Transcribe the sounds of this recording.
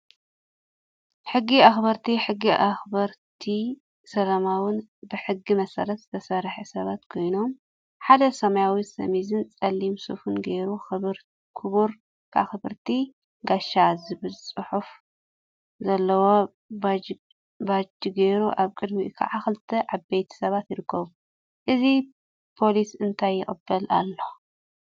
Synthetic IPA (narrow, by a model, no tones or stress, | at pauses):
ħɨɡːiaxbɐɾt̪ʰiħɨɡːiʔaxbɐɾt̪ʰi | sɐlɐmawɨnbɨħɨɡːimɐsɐɾɐt̪z̥ɨt̪ʰɐsɐɾħisɐβat̪kʰo̞jno̞m | ħad̪ɐsɐmɐjawisɐ̰mizɨnt͡sʼɐlːimsufɨnɡeɾuɾ | kʰuβuɾ | kʰa̰xɨβɨɾt̪ʰi | ɡaʃːazɨβɨsʼɨħuf | zɐlːɐwo | ba | bad͡ʒiɡejɾuʔaβkʼɨd̪bikʰa̰ʕaxɨlt̪ʰːɐʔabejt̪ʰi̥sɐβat̪jɪɾɨkʰːɐβu | ʔɨzi | pʰo̞lisɨnt̪ʰajːɪχʼɨbːɐla̰lːo